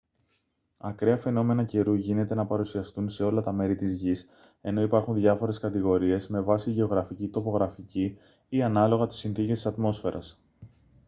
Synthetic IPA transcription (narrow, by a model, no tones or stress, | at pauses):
ɐ̰kɾeɐfe̞no̞me̞nɐce̞ɾuʝine̞t̪e̞nɐpɐɾusiɐst̪unse̞o̞lɐt̪ɐme̞ɾit̪izʝis | e̞no̞ipɐɾxunðʝɐfo̞ɾe̞skɐt̪iɣo̞ɾie̞zme̞vɐsiʝe̞o̞ɣɾɐficit̪o̞po̞ɣɾɐfici | iɐnɐlo̞ɣɐt̪i̥sinθicest̪isɐt̪mo̞sfe̞ɾɐ̰s